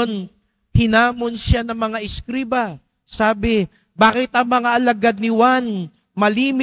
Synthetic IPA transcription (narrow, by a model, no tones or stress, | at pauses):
n | hɪnaːmonʃjanɐŋmɐŋaʔɪskɾiːba | saːbɪ | baːkɪt̪ɐŋmɐŋaʔɐlɐɡad̪̚nɪwan | mɐliːm